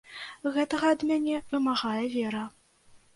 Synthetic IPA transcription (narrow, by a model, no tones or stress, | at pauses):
ɣɛt̪ɐɣɐɐd̪mʲænʲɛvɨmaɣajɛvʲɛɾɐ